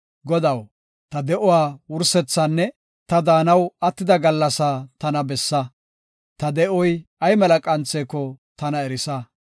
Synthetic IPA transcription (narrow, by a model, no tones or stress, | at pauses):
ɡɔd̪ɐw | t̪ɐd̪ɛʔɔwaːwʊɾsɛt͡sːaːnːɛ | t̪ɐd̪aːnɐwɐt̪ːɪd̪ɐɡɐlːɐsaːt̪ɐnɐbɛsːɐ | t̪ɐd̪ɛʔɔjɐjmɛlɐkʼɐnt͡seːkːɔt̪ɐnɐɛɾɪsɐ